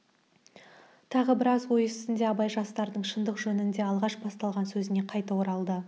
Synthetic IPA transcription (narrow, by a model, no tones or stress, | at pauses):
t̪ʰɑʁəbɪɾɑzwo̞jəsɪnd̪e̞ɑbɑjʒɑst̪ɑɾd̪əɴʃənd̪əqʒɵnɪnd̪e̞ɑlˠʁɑʃbɑst̪ɑlˠʁɑnsɵzɪne̞qʰɑjt̪ɑwoɾɑlˠd̪ə